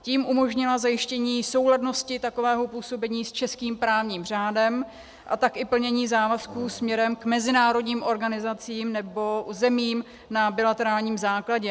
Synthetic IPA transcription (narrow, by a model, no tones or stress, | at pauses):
ciːmʔumo̞ʒɲɪlazajɪʃcɛɲiːso̞wɦladno̞scɪt̪ako̞vɛːɦopuːso̞bɛɲiːst͡ʃɛskiːmpɾaːvɲiːmr̝aːdɛm | ʔa̰t̪akʔɪpl̩ɲɛɲiːzaːvaskuːsmɲɛɾɛmkmɛzɪnaːɾo̞dɲiːmʔo̞ɾɡanɪzat͡siːmnɛbo̞zɛmiːm | nabɪlat̪ɛɾaːlɲiːmzaːklaɟɛ